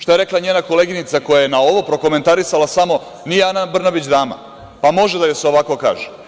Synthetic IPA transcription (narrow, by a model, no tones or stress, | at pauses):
ʃt̪ajeɾe̞klˠaɲeːnako̞le̞ɡinit̪sako̞jajenao̞ʋo̞pɾo̞ko̞me̞nt̪aɾisalasamo̞ | nijeanabr̩nabit͡ɕd̪aːma̰ | pamo̞ʒed̪ajoseo̞ʋako̞ka̰ːʒe